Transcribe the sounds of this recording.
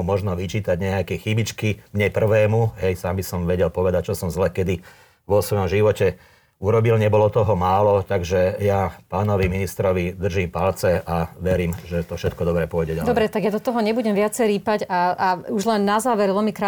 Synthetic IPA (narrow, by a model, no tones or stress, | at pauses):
mɔʒnɔʋit͡ʃiːt̪aɟɲɛakɛxibit͡ʃkimɲɛpr̩ʋɛːmuɦɛjsaːmbisɔmʋɛɟɛlpɔʋɛd̪ac̚t͡ʃɔsɔmzlɛːkɛd̪i | ʋɔsʋɔjɔmʒiʋɔcɛ | uɾɔbilɲɛbɔlɔt̪ɔɦɔmaːlɔt̪aɡʒɛjapaːnɔʋiminist̪ɾɔʋid̪r̩ʒiːmpalt͡sɛʔaʋɛɾiːmʒɛt̪ɔfʃɛt̪̚kɔd̪ɔbɾɛːpɔjɟɛɟalɛd̪ɔbɾɛt̪aɡjad̪ɔt̪ɔɦɔɲɛbuɟɛmʋɪat͡sɛjɾiːpaɟaauʒlɛnːazaːʋɛɾʋɛlmikɾa